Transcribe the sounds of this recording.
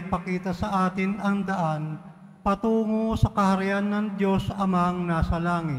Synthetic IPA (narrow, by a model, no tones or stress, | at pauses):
ɡ̚pɐkiːt̪ɐsɐʔaːt̪ɪnɐŋd̪ɐʔan | pɐt̪uːŋosɐkɐhɐɾɪʔanːɐŋd̪jo̞sʔɐmaŋnaːsɐlaːŋɪ